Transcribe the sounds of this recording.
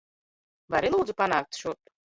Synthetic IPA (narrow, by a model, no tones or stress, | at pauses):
baɾinwud͡zupanat̪ʃut̪